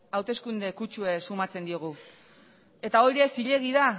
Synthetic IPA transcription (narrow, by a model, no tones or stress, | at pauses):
awt̪e̞skund̪e̞kut͡ʃue̞sumat͡se̞nd̪io̞ɣ̞u | e̞t̪aoɾiesiʎe̞ɣ̞iða